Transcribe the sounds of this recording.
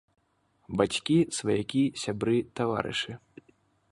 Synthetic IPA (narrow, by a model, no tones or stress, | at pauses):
bat͡sʲkʲisvajakʲisʲabɾɨt̪ava̰ɾɨ̰ʂɨ